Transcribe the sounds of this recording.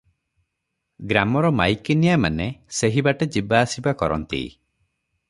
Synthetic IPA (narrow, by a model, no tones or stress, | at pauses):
ɡɾamɔɾɔmajkinijamaneseɦibaʈed͡ʒibaːsibakɔɾɔ̰nt̪ḭ